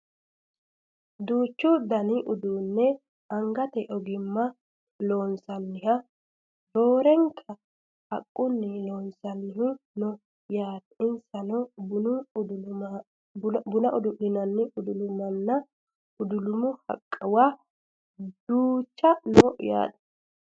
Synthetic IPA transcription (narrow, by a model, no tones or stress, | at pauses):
d̪uːt͡ʃːʊd̪ɐnɪʔʊd̪uːnːɛ | ɐŋɡɐt̪ɛʔɔɡɪmːɐ | loːnsɐnːɪhɐ | d̪o̞ːɾɛŋkʰɐ | ɐ̰kʼːʊnːɪloːnsɐnːɪɦɪnɔ | jaːt̪ɪnsɐnɔbʊnʊ | bʊnɐʔʊd̪ʊʔɪnɐnːɪʊd̪ʊlʊmɐnːɐ | ʊd̪ʊlʊmʊhɐ̰kʼːɐwaː | d̪uːt͡ʃːɐnɔja̰ːᶑɐ̥